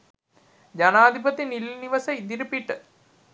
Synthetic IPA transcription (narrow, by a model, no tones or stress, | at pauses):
d͡ʑanaːd̪ʱipət̪inilːiniʋɐsəid̪iɾəpiʈə